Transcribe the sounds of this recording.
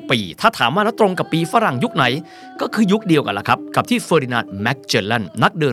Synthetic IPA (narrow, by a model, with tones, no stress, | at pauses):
piː˨˩t̪ʰaː˥˩t̪ʰaː˩˦mwaː˥˩lɛː˦˥wt̪ɾo˧ŋka˨˩pːiː˧fa˦˥ɾa˨˩ŋju˦˥k̚na˩˦j | kɔː˥˩kʰɯː˧ju˦˥k̚di˧əwka˧la̰˦˥kʰa˦˥p̚ka˨˩p̚t̪ʰiː˥˩fəː˧ɾiː˧naː˧t̪̚mɛ˦˥k̚t͡ɕeː˧la˥˩nna˦˥k̚dɯː˧